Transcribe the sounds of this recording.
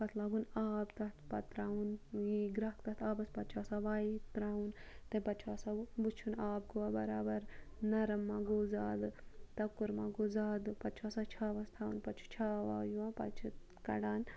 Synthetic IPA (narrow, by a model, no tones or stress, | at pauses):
pɐt̪ʰlaːɡunaːbt̪ɐt̪pɐt̪ɾaːunjiɡɾɐkt̪ɐt̪ʰaːbɐspɐtt͡ʃʰasaʋaːit̪ɾaːwunt̪epɐt͡ʃʰaːsabut͡ʃʰunaːb̚ɡoʋabɐɾaːbɐɾ | nɐɾɐmːaːɡoːzaːd̪ɨt̪ɐkːuɾmaːɡoːzaːd̪ɨpɐt͡ʃʰaːsat͡ʃʰaːʋɐst̪ʰaːwunpɐt͡ʃʰu̥t͡ʃʰaːʋa̰ːjuãːpɐ̰t͡ʃʰu | kɐ̰ɽaːn